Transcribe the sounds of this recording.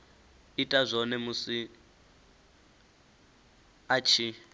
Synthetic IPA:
itʼazʷɔnɛmusi | at͡ʃʰi

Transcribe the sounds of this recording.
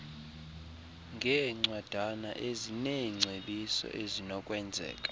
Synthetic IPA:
ŋɡʱɛŋ͡ǀwad̥ʱana̰ʔezineŋ͡ǀʱeɓisɔ̰ʔezinɔkʼwɛnd͡zʱɛ̰ːkʼḁ

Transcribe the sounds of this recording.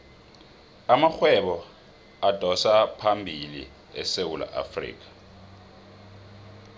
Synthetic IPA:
amaxwɛɓɔ | ad̥ʱɔsapʰambʱilḭ | ɛsewula̰ʔa̰frḭːk̬ʼḁ

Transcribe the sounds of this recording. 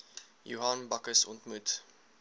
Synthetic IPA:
jṵɦɐnbɐkəsɔ̰ntmut

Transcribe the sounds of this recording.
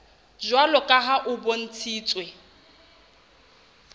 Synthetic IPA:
d͡ʒwalɔkʼaɦaʔʊbon̩t͡sʰiːt͡sʼwe

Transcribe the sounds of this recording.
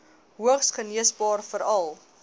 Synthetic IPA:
ɦuəχsχəniəsbɑːrfəɾɐlˠ

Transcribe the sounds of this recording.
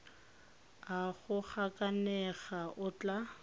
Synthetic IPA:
aɣʊk͡xʰakʼanɛɣaʔʊt͡ɬʼa

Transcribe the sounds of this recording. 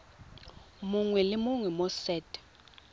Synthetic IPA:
muŋwɛlɪmuŋwɛmɔsɛːtʼɛ̥

